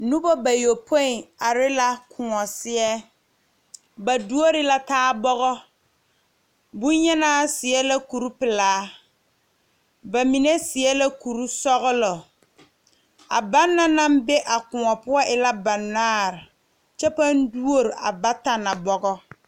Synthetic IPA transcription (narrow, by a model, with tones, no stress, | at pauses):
nʊ˦bɔ˦ba˨jo˨pʰo˦ɪ˨a˨ɾɪ˦la˦kʰʊ˨ŋɔ˨sɪ˦ɛ˦ | ba˨du˦o˦ɾɪ˦la˦taː˦bɔ˦ɣɔ˦ | bu˦ɲɛ˦naː˦sɪ˨ɛ˦la˦ku˨ɾu˦pɪ˨laː˦ | ba˨mi˨ne˦sɪ˨ɛ˦la˦ku˨ɾu˦sɔ˦ɣʊ˦lɔ˨ | a̰˨ba˦nːa˦na˦m˦bɛ˦ʔa˨kʊ˨ŋɔ˨pʊ˦ɔ˦ʔɪ˨la˦ba˨nːaː˦ɾɪ˨ | t͡ʃɛ˦pa˦n˦du˦o˦ɾi˨ʔa̰˨ba˦ta˨na˨bɔ˦ɡɔ˦